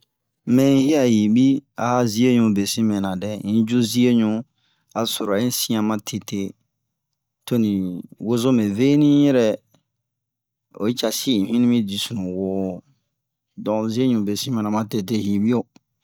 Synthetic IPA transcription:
mɛ̃˨˦hi˦a˨hi˨bi˦a̰˨ha˦zi˦e˦ɲũ˧be˨sĩ˦mɛ̃˨nã˨dɛ˨ĩ˦d͡ʒu˦zi˦e˦ɲũ˦ | a˨so˨ɾa˨ĩ˦sĩ˦ã˨mã˦tʰe˨te˦ | to˦nĩ˨wo˦zo˦mẽ˨ve˦nĩ˦jɛ˦ɾɛ˨ | o̰˨i˦t͡ʃa˨si˦ĩ˨fĩ˦nĩ˦mĩ˦di˨su˨nũ˨wo˨˦ | dɔ̃˨zi˦e˦ɲũ˨be˨sĩ˦mɛ̃˨nã˨mã˨te˧te˦hi˨bi˦o˨

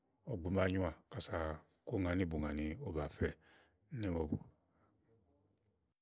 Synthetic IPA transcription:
ɔ˨ɡ͡bu˨ma˦˨˦ɲũ˦a˨ka˨sa˨ | ko˦˨ŋa˨ni˦bu˨ŋa˨ni˨o˦ba˨fɛ˦ | nɛ˦mo˧˨bṵ˨

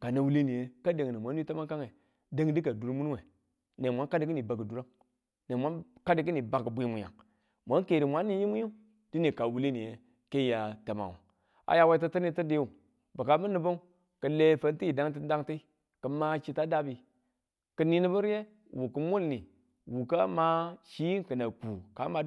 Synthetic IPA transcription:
ka˨na˨wu˦li˦ni˨je˨˦ka˦de˨ŋ˨ni˨mʷa˨n˦i˦ta˦ma˦ka˦ŋe˨ | de˦ŋdi˦ka˨du˨ɾmu˦n˦we˨ | ne˨mʷa˦ka˦di˨k̬i˦ni˨ba˨ɡə˨du˨ɾa˦ŋ | ne˨mʷa˦nka˦di˨k̬i˦ni˨ba˨kə˨bu˦ji˦mu˨ja̰˨ŋ | mʷa˨˦ŋ˦ke˨ɾi˨mʷa˦ni˦ji˦mu˦ji˦ | d̥i˦ni˨ka˨wu˦li˦ni˨je˨ | ke˦ja˨ta˨ma̰˨wa̰˨ | a̰˨ja˨wa˦ta˦tə˦ni˦tə˦de˦˨u˨ | bə˨ka˨mə˦nə˨bo˦u˦ | kə˨le˦fə˦n˦ti˦i˨da˦ŋt̬i˦da˦ŋti˦ | kə˨ma˦t͡ʃi˦ta˦da˦bi˨ | kə˨ni˦ni˦bə˦ɾje˦ | wu˨kə˨˦mʷu˦lni˨ | wu˨ka˦ma˦ʃi˦i˦ŋkə˨na˨ku˨ka˦ma˨

